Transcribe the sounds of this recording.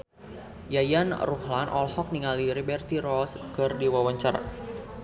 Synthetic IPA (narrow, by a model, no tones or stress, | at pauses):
jajanruhlanʔɔ̰lhɔk̚niŋaliɾibɛrt̪iɾɔskɨrdiwawaɲt͡ʃaɾa̰